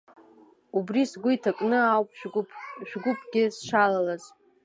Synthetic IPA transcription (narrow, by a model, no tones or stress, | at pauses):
ubrisɡʷʊitʰakʼnɨawpʰʼᶣʒᶣɡʷʊpʰʼɡʲɪsʃalalaz̥